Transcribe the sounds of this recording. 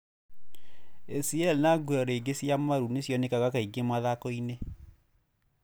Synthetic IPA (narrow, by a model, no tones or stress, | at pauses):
esiɛlnaɡwɛɾeɡesjamaɾunesjɔnekaɣakaiɡemaðakɔine